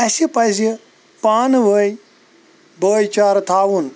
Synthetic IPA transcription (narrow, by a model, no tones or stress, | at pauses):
ɐsipɐzi | paːnʋəj | bəːjt͡ʃaːɾt̪ʰaːwun